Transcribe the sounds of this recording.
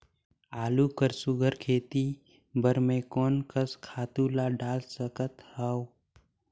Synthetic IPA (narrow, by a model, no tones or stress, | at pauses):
aːlukəɾsʊɡʱəɾkʰeːt̪i | bəɾmẽkɔːnkəskʰaːt̪ulaɖaːlsəkət̪hao